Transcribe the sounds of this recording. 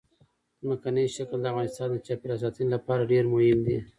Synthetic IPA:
zmakanəjʃakld̪əavɣɑnɪst̪ɑnd̪ət͡ʃɑpɪɾas̬ɑt̪inlapɑɾaɖeɾmʊhɪmd̪i

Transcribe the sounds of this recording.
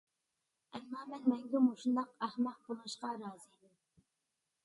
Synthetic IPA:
ɛmːɑːmɛnmɛŋɡʲɛmoʃund̪ɑqæhmɑq̚bulˠɨʃqɑɾɑːzid̪ɪm

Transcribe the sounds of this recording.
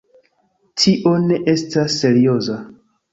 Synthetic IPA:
tʰiʔo̞ne̞ʔe̞stasːe̞ɾio̞za

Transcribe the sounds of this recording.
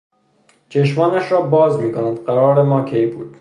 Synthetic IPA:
t͡ʃʰeʃmɒːnæʃɾɒːbɒːzmiːkonænd̪ɢæɾɒːɾemɒːkʰejbṵːd̪̥̚

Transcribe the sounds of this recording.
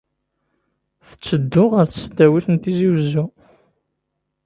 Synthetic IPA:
θə̥t͡sːəd̪ːʊʁəɾθəst̪ːæwiθənt̪iziwəzːu

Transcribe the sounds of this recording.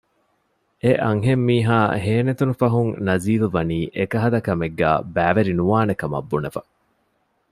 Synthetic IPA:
eʔɐŋɦemːiːɦaːɦeːnet̪unufɐɦuŋnɐziːluʋɐniːʔekɐɦɐd̪ɐkɐmeɡːæ̰ːbæːʋeɾinuʋaːnekɐmɐ̰bːunefɐ

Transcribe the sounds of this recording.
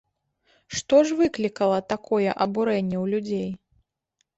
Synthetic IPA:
ʂt̪ɔʐvɨklʲikɐlˠɐt̪akɔjɛ̰ʔɐbuɾɛnʲːɛwlʲud͡zʲej

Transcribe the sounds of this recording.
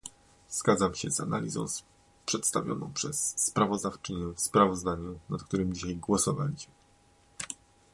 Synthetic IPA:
z̥ɡad̪zamɕɛzana̰lʲizɔ̰̃w̃s | pʂɛt̪st̪avʲjɔ̰nɔ̃w̃pʂɛsːpɾavɔzd̪aft͡ʂɘɲɛfspɾavɔzd̪aɲunat̪kt̪uɾɘmd͡ʑiɕajɡwɔsɔva̰lʲiɕmɘ

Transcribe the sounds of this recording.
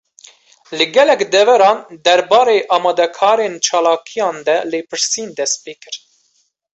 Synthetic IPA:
lɨɡɛlɛkd̪ɛvɛɾɑːnd̪ɛɾbɑːɾeːʔɑːmɑːd̪ɛkʰɑːɾeːnt͡ʃʰɑːlɑːkʰijɑ̃ːnd̪ɛleːpʰɨɾsiːnd̪ɛst̪̚peːkɨɾ

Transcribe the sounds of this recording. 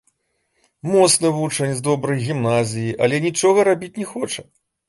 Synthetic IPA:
mɔt̪snɐvut͡ʂɐnʲzd̪ɔbɾɐjɣʲimnazʲijiʔɐlʲɛnʲit͡ʂɔɣɐɾabʲit͡sʲnʲɛxɔt͡ʂɐ

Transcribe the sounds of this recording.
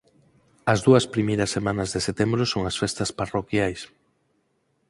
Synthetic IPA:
ɐzðuɐspɾimejɾɐsːemanɐzðeset̪embɾʊsoŋɐsfest̪ɐsparokjajs

